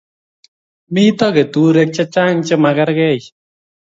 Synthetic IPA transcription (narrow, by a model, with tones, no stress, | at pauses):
mi˦tɔ˦kɛ˨tu˨ɾɛ˧k̚t͡ʃa˦t͡ʃa˦ŋt͡ʃɛ˦ma˨kɛ˦ɾkɛ˦˨t͡ʃ